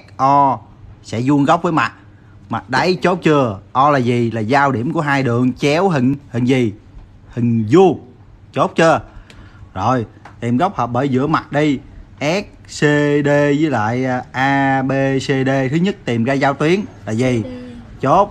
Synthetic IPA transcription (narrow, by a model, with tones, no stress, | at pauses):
k̚ʔɔ˧ | sɛ̰˧˥zu˧ənɣa˦˥wk͡p̚vəː˨˦jma˨˩t̚ | ma˨˩t̚ɗə˨˦jt͡ɕo˦˥p̚t͡ɕɨ˧əʔɔ˧laː˨˩zi˨˩laː˨˩zaː˧wɗḭ˧˩əmku˧˩əɦaː˧jɗɨ˨˩˨əŋt͡ɕɛ˨˦wɦï˨˩ŋ̟hï˨˩˨ŋ̟zi˨˩ | hï˨˩ŋ̟zu˧ə | t͡ɕo˦˥t̚t͡ɕɨ˧ə | zo˨˩jt̪i˨˩mɣə˦˥wk͡p̚həː˨˩p̚ɓəː˧˩˦jzɨ̰˧˥əma˨˩t̚ɗi˧ʔɛ˦˥k̚se˧ɗe˧zɨː˨˦jla̰ː˧˨jʔaː˧ɓe˧se˧ɗe˧t̪ʰɨ˨˦ɲə˦˥t̚t̪i˨˩mɣaː˧zaː˧wt̪wi˨˦ənlaː˨˩zi˨˩ | t͡ɕo˦˥t̚